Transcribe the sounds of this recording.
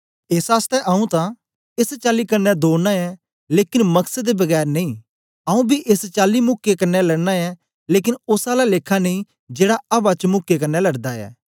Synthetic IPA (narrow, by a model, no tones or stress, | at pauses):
ɪsaːst̪ɛʔɐũt̪ã | ɪst͡ʃaːlikɐɾnɛd̪oːnaɛ | leːkɪnmɐksəd̪ebɐɡɛːɾnɐĩː | ɐũbʱiʔɪst͡ʃaːlimʊkːekɐɾnɛlɐɽnaɛ | leːkɪnʊsalaleːkʰːanẽĩ | d͡ʒeːɽaɐbat͡ʃmʊkːekɐɾnɛlɐɽd̪aɛ̰ː